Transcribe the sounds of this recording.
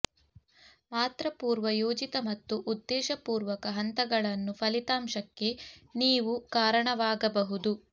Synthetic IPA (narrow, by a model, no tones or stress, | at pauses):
maːt̪ɾɐpuːɾʋɐjoːd͡ʒit̪ɐmɐt̪ːuʔud̪ːɛːʃɐpuːɾʋɐkɐɦɐnt̪ɐɡɐɭɐnːupʰɐlit̪aːmʃɐkːe̞niːʋukaːɾɐɳɐʋaːɡɐbɐɦud̪u